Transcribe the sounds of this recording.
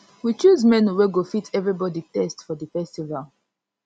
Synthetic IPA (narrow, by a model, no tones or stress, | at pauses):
wit͡ʃuzmɛ̃nuweɡofitʰɛvɹibɔditɛstfɔðəfɛstivalˠ